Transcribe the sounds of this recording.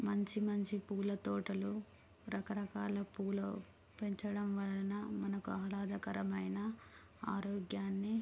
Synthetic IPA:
mɐɲt͡ʃimɐɲt͡ʃipuːlɐt̪ɔːʈɐlu | ɾɐkɐɾɐkaːlɐpuːlɐ | peɲt͡ʃɐɽɐmʋɐlɐnɐmɐnɐkuɐɦɐlaːd̪ɐkɐɾɐmɐjnɐ | a̰ːɾɔːɡjaːnːi

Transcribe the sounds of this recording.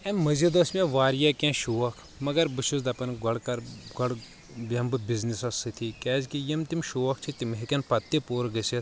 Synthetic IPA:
ɛmɐzʲid̪ɐsʲmʲɛʋaːɾjaːkʲɛ̃ːʃuːɐkʰ | mɐɡɐɾbɨʃuzd̪ɐpɐnɡɐɽkɐɾɡɐɽ | bʲɐmbɨbʲiznisɐsɨt̪ʰikʲɛːzkijimt̪imʃoːɐk̚t͡ʃʰit̪imɦikʲɐnpɐt̪ːipoːɾɡɐsʲɐt̪

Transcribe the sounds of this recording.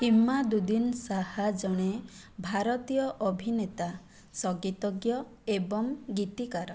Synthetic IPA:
imːad̪ud̪insahad͡ʒɔɽ̃e | bʱaɾɔt̪ijɔʔɔbʱinet̪a | sɔɡit̪ɔɡjɔ | ebɔŋɡit̪ikaɾɔ

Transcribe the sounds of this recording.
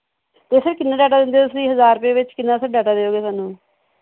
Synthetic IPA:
t̪eːsɪɾkɪnːãːɖɛːʈaːd̪ɪ̃nd̪et̪ʊsd̪iːɦəzaːɾpeːʋɪt͡ʃkɪnːãːsəɾɖɛːʈaːd̪eːoːɡeːsaːnũː

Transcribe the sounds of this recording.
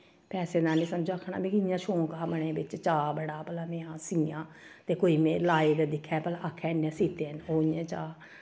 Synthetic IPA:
pɛːseːd̪ãːnĩːsəmd͡ʒoːakʰːɳa̰ːbikɪɪjãːʃõːkːməɳ̃eːbɪt͡ʃt͡ʃaːbəɽaːpəlaːmẽːãːsĩːjãː | t̪eːkoːiːmẽːlaːeːd̪eːd̪ɪkʰːɛːpəlaːʔakʰːɛːnẽːsiːt̪eːənoːẽːt͡ʃaː

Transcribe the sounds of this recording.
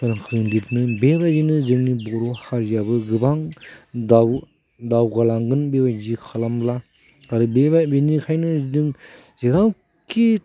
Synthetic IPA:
tanɯkʰɯɾɯŋditnɯbebajzinɯzɯŋnibɔɾɔhaɾjabɯɡɯbaŋdaw | dawɡalaŋɡɯnbebajzikʰalambla | kaɾɯbebabenikʰajnɯzdɯŋ | ziɾaw | ki

